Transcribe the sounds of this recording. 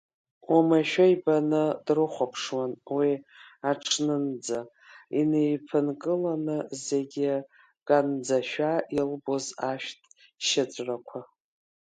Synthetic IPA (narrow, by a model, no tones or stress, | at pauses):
umaʃᶣaibanɨd̥rɨχʷapʰʂwanwiaʈ͡ʂʰnɨnd͡za | inejpʰɨnkʼɨlanɨze̞ɡʲɪ | ɡ̥ʼand͡zaʃᶣailbozaʃᶣtʰʼ | ʃat͡sʷʼrakʷʰa